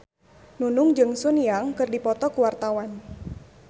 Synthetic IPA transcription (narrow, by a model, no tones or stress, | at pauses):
nunʊŋd͡ʒɨŋsunijaŋkɨrdipɔt̪ɔkuwart̪awan